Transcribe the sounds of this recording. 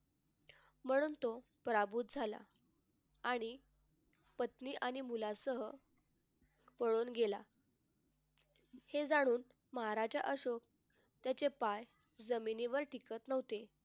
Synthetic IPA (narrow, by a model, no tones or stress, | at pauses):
m̤əɽ̃uːnt̪o | pəɾabuːt̪̚d͡zʱala̰ | aɽ̃i | pət̪niːʔaɽ̃imulasəɦə | pəɭuːnɡela̰ | hed͡zaɽ̃uːn | məɦaɾad͡ʑa̰ʔəɕok̚ | t̪jat͡ɕepaj | d͡zəminiʋəɾʈikət̪nəʋt̪e